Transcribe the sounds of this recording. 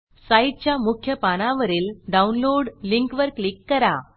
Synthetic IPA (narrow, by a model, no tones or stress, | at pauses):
saiʈ̚t͡ɕjamukʰjəpaɽ̃ãʋəɾiːlɖaunloɽliŋkʋəɾklikːəɾa